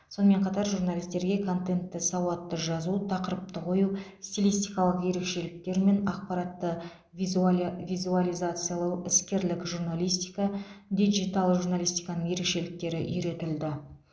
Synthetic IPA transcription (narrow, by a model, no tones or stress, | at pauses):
so̞nəme̞ɴqʰɑt̪ɑɾʒurnalʲijst̪e̞ɾɡʲe̞kʰo̞nt̪e̞nt̪ːɪsɑwɑt̪ːəʒɑzut̪ʰɑqəɾəp̚t̪əqʰo̞just̪ʲilʲijst̪ijkɑlˠəqje̞ɾe̞kʃe̞lɪk̚t̪e̞ɾme̞nɑq̚pɑɾɑt̪ːə | vʲizualʲijzat̪sɨjalˠəwɪskʲe̞ɾlɪkʒuɾnalˠijst̪ijkɑd̪ijʒijt̪alˠʒuɾnalʲijst̪ijkɑnəɴje̞ɾe̞kʃe̞lɪk̚t̪e̞ɾɪʔʏjɾe̞t̪ɪld̪ɪ